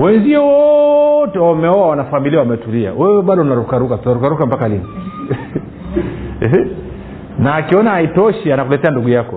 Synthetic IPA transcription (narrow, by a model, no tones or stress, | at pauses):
wɛnziɛwɔtɛwamɛɔwawanafamiliawamɛtulia̰wɛwɛɓaɗɔunaɾukaɾukatunaɾukaɾukambakalini | ɛ | naːkiɔnaaitɔʃianakulɛtɛanduɡujakɔ